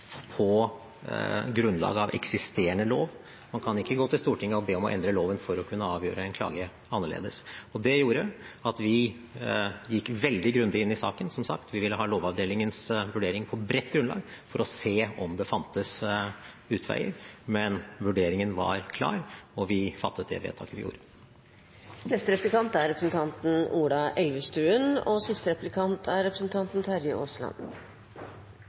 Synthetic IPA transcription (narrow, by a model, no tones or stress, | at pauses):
pʰɔ | ɡɾʉnlɑ̰ːɡɑʋʔɛ̰ksɪst̪eːəɳəloːʋ | mɑnkʰɑnɪkːəɡoːt̪ɪlst̪uːʈʰɪŋːəɔbeːɔmɔʔɛ̰nd̪ɾəloːʋənfɔɾɔkʰʉnːəɑːʋjøːɾəɛnkʰlɑ̰ːɡə | ɑnːəɭḛːd̪əsɔd̪ɛjuːɾəɑt̪ʋɪ | jɪkːʋɛld̪ɪɡɾʉnd̪ɪɪnːɪsɑ̰ːkənsɔmsɑ̰kt̪ʋɪʋɪlːəɦɑːloːʋɑʋd̪eːlɪŋənsʋʉɖeːɾɪŋpʰɔbɾɛt̪ːɡɾʉnɑ̰ːɡfɔɾɔseːɔmd̪ɛfɑnt̪əs | ʉːt̪ʰʋæ̰ɪə̰ɾmɛnʋʉɖeːɾɪŋənʋɑ̰ɾkʰlɑ̰ːɾɔʋɪfɑt̪ʰːət̪̚d̪ɛ̰ʋḛːt̪ʰɑ̰kəʋɪ̰jṵːɾə | nɛst̪əɾɛplɪkɑnt̪æɾɛpɾəsn̩t̪ʰɑnt̪n̩uːɖɑʔɛlʋəst̪ɾʉːənɔsɪst̪əɾɛplɪkʰɑnt̪ʰæɾɛpɾəsn̩t̪ʰɑnt̪n̩t̪ʰæɾjəʔoslɑ̰n